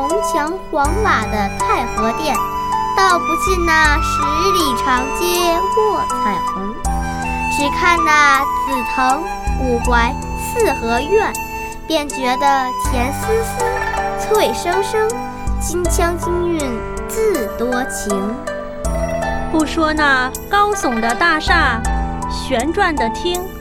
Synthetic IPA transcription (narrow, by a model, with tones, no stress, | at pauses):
ʊ˧˥ŋt͡ɕʰjɑ˧˥ŋkwɑ˧˥ŋma˨˩d̪ə˦t̪ʰa˥˩ɪxɤ˧˥t̪jɛ˥˩n | t̪ɑ˥˩ʊpu˧˥t͡ɕi˥˧nna˥˩ʂɻ̩˧˥i˥˧li˨˥˩ʈ͡ʂʰɑ˧˥ŋt͡ɕjɛ˥kwɔ˥˩t̪ʰa˨˩ɪxu˧˥ | ʈ͡ʂɻ̩˨˩kʰa˥˧nna˥˧˩t͡su˨˩pʰɤ˧˥ŋ | u˨˩kwa˧˥ɪ | sɹ̩˥˩xɤ˧˥ɥɛ˥˩n | pjɛ˥˩nt͡ɕɥɛ˧˥d̪ə˧t̪ʰjɛ˧˥nsɹ̩˥s̩˥t͡sʰwwe˥˩ɪʂɤ˥ŋʂɤ˥ŋ | t͡ɕi˥ŋt͡ɕʰjɑ˥ŋt͡ɕi˥ŋy˥˧n | t͡sɹ̩˥˩t̪wɔ˥t͡ɕʰi˧˥ŋ | pu˥˩ʂwɔ˥na˥˧ | kɑ˥ʊsʊ˨˩ŋd̪ə˦t̪a˥˧ʂa˥˩ɕɥɛ˧˥nʈ͡ʂwa˥˩nd̪ə˩t̪ʰi˥ŋ